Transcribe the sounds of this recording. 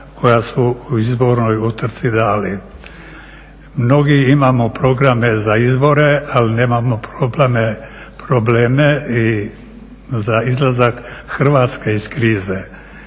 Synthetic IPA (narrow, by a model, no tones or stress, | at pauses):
kʰo̞jasuuizbo̞ɾno̞jut̪r̩t̪sid̪aːli | mno̞ɡiimamopɾo̞ɡɾamezaizbo̞ɾealineːmamopɾobleme | pɾobleːmei | zaizlˠazakxr̩ʋaːt̪skeiskɾiːze